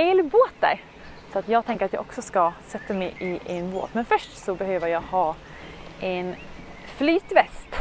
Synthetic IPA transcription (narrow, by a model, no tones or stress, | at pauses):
eːlboːt̪̚d̪æ̰ɾ | sɔat̪jɑːɡ̚t̪ʰɛŋkəɾat̪jɑ̰ːʔɔksɔskasɛt̪ːamɛjʔɪʔɛnbo̰ːt̪mɛnfœʂʈsɔbɛɦøːvəɾjɑɡhɑː | ʔɛn | flyːt̪vɛst̪